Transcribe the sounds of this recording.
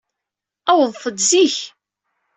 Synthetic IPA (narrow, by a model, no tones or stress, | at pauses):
æwəðˤθəd̪ziç